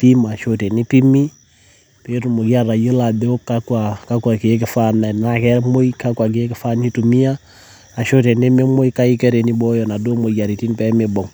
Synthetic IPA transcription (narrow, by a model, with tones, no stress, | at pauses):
pi˦ma˨ʃo˨tɛ˨ni˦pi˦mi˦ | pe˦tu˨mo˨ki˦a˦ɾa˨jə˦la˨be˦o˦kːa˦kwa˨ka˦kwa˨ki˨e˦k̬ɪ˨fa˦na˨na˦˨kɛ˦mo˦jka˦kwa˨k̬i˨e˦kɪ˦fa˦ni˦tu˨mi˦ja˦ | a˨ʃo˦tɛ˨ne˦me˦mo˦ika˦i˦kɛ˦ɾe˨ni˦bɔ˦jɔ˨na˨do˦mo˨ja˨ɾi˨ti˦npɛ˦mɪ˨bɔ˨ŋ